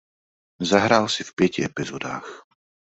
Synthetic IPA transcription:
zaɦɾaːlsifpɪɛciɛpizɔd̪aːx

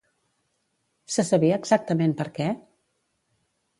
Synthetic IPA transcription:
səsəβiəːɡzak̚t̪əmenpəɾkɛ

